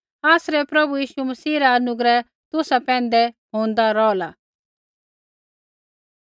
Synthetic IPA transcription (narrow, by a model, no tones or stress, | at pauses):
aːsɾɛpɾɐbujiːʃumɐsiːɾaɐnʊɡɾɛ | t̪ʊsapɛ̃ːnd̪ɛɦõːn̆d̪aɾɔːla